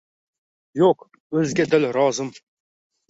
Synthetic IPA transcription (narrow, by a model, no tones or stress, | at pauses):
joq | ɵzɡʲɛd̪ɪlɾɒːzɨm